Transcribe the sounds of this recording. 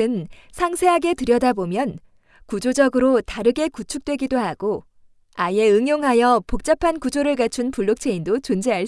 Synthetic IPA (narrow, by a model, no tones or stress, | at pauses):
ɯnsʰaŋsʰe̞ɦaɡe̞tɯɾjʌdabomjʌn | kud͡ʑod͡ʑʌɡɯɾotaɾɯɡe̞kut͡ɕʰuk̚t͈we̞ɡidohaɡ̥o | aie̞ɯŋjoŋɦajʌpok̚t͡ɕ͈apʰankud͡ʑoɾɯɭkat͡ɕʰunpuɭːok̚t͡ɕʰe̞indot͡ɕond͡ʑeaɭ